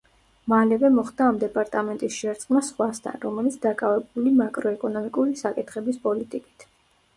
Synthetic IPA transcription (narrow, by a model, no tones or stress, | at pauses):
malɛvɛmɔχd̪aːmd̪ɛpʼaɾt̪ʼamɛnt̪ʼisʃɛɾt̪sʼqʼmasχwast̪ʰa̰nɾɔmɛlit̪sʰd̪akʼavɛbulimakʼɾɔɛkʼɔnɔmikʼuɾisakʼit̪ʰχɛbispʼɔlit̪ʼikʼi̥t̪ʰ